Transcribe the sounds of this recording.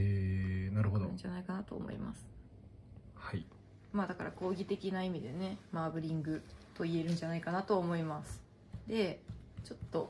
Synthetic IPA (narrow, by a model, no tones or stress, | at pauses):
eːnaɾɯ̟ɦod̪oɯ̰̃ɲd͡ʒanaikanat̪o̞̰ːmo̞̰ḭma̰sɨ̥ | hai | maːd̪akaɾako̞ːɡʲit̪e̞kʲinaimʲid̪e̞ne̞maːbɯ̟ɾʲĩŋɡɯ̟t̪o̞ie̞ɾɯ̟̃ɲ̟d͡ʑanaikanat̪o̞ːmo̞imasɨ̥ | d̪e̞t͡ɕo̞t̪ːo̞